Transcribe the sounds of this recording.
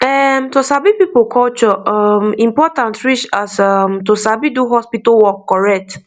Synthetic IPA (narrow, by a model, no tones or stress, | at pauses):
ɛmtosabipipokʰɔlt͡ʃɔʔɔmĩmpɔtãntɹit͡ʃasamtosabiduɦɔspitawɔkːɔɹɛk̚t